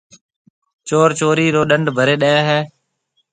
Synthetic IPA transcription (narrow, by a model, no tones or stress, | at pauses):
t͡ʃoːɾt͡ʃoːɾiːɾoːɗəɳɖʱbʱəɾeːɗəaːɦɛː